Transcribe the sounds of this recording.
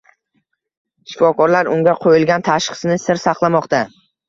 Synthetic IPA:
ʃɪ̥fɒkʰɒɾlaɾʊŋɡʲaqʰojɪlɡʲant̪ʰaʃqɨ̥snɪsɪɾsɑqlˠamɒqt̪a

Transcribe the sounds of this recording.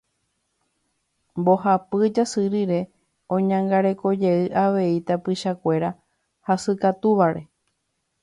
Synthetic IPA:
mbo̞hapɨd͡ʒasɨɾiɾe̞ | õ̞ɲãŋɡaɾe̞ko̞d͡ʒe̞ɨʔaʋe̞it̪apɨʃakʷe̞ɾa | hasɨkat̪uʋaɾe̞

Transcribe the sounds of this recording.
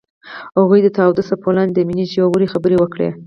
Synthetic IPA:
haɣujd̪ət̪awd̪əsapʰoland̪əminid͡ʒiwawəɾixabəɾewəkɽḛ

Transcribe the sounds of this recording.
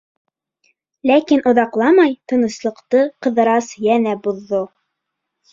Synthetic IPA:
lækinʔŏðɑqlˠɑmɑjt̪ɤ̆nɤ̆slˠɤ̆qt̪ɤqɤ̆ðɤ̆ɾɑsjænæbuðːo

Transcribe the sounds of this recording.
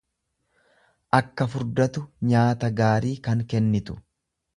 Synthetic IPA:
ʔɐkːɐfʊɾd̪ɐt̪ʊɲaːt̪ɐɡaːɾiːkɐŋkɛnːɪt̪ʊ̥

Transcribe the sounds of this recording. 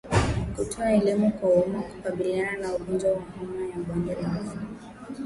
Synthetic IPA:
kutʰɔaɛlimukwaɔmaku̥kaɓiliananauɠɔnd͡ʒwawahamajaɓwandaɾia

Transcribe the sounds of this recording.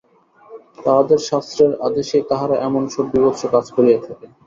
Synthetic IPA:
t̪aɦad̪eɾʃast̪ɾeɾa̰d̪eʃet̪aɦaɾaʔɛmonʃɔbbibot̪ːʃʰokad͡ʑkoɾijet̪ʰake

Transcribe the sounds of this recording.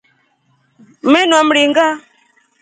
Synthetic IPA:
mɛnwam̩ɾiŋɡa

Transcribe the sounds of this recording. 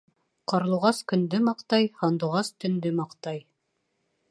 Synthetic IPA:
qɑɾlˠuʁɑskɵ̆nd̪ɘmɑqt̪ɑjhɑnd̪ŭʁɑst̪ɵ̆nd̪ɘmɑqt̪ɑj

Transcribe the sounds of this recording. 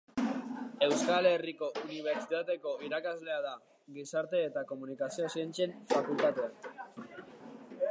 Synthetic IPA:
e̞wskale̞riko̞ʔuniβ̞e̞ɾt͡ʃit̪at̪e̞ko̞iɾakazle̞að̞a | ɡisaɾt̪e̞ːt̪ako̞munikasio̞sient͡se̞nfakult̪at̪ea

